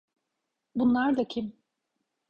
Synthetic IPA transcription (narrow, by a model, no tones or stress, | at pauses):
bunlˠaɾd̪acʲʰim